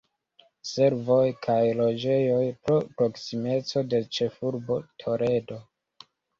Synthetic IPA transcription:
se̞ɾvo̞jkʰajlo̞d͡ʒe̞jo̞jpɾopɾo̞ksime̞t͡so̞de̞t͡ʃe̞fuɾbo̞tʰo̞ɾe̞do̞

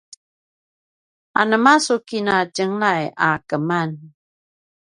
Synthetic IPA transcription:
a̰nəmasukinad͡ʒəŋlajakəman

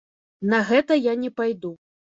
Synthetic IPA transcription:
nɐɣɛt̪ɐjanʲɛpajd̪u

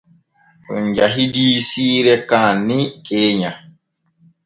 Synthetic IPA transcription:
ʔɔɲd͡ʒaɦidiːsiːɾɛkaːnːikeːɲa

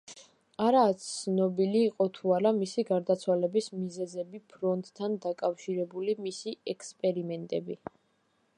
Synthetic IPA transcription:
aɾaːt̪sʰnɔbiliːqʼɔt̪ʰuaɾamisiɡaɾd̪at̪sʰwalɛbismizɛzɛbipʰɾɔnt̪ʼt̪ʰːand̪akʼafʃiɾɛbulimisiɛkʰspʼɛɾimɛnt̪ʼɛbi

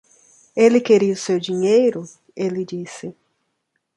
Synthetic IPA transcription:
elɪkeɾiʊsewd͡ʒiɲejɾʊ | elɪd͡ʒisɪ

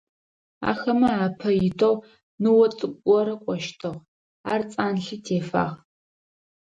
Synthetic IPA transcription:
a̰ːxɐmɐaːpʰɐjɪtʰow | nɨwɔt͡sʼɨkʷʼɔɾɐkʷʼɔʃtʰɨʁ | aːrt͡sʼaːnɬɨtʰeːfa̰ːʁ

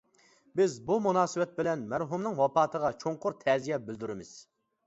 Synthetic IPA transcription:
bɪzbumunɑːsɨwɛt̪̚bɪlɛnmæɾɦumnɨŋwɑpɑːt̪ʰəʁɑt͡ʃʰoŋqʊɾt̪ʰɛzijɛbɪld̪yɾɪmɪz̥

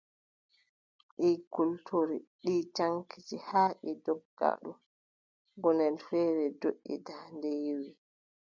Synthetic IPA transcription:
ɗikultʰoɾiɗiːt͡ʃaŋkʰid͡ʒihaːɗidɔɡːa̰ɗu | ɡɔnɛlfɛːɾɛdoʔːḭdandɛjiwi

